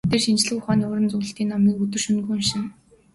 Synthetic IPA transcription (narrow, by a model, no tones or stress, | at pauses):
t̪eːrʃint͡ɕɮɘ̆kʊχaːniːʊɾə̆nt͡sɵɣɵ̆ɬt̪iːnːɔmiːkɵt̪ɵ̆rʃɵnɡuːnʃɪ̆n